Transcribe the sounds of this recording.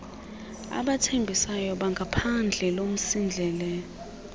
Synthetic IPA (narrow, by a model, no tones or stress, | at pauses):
a̰ɓatʰembʱisajɔɓaŋɡʱapʰand͡ɮʱɛlom̩sind͡ɮʱɛːlɛ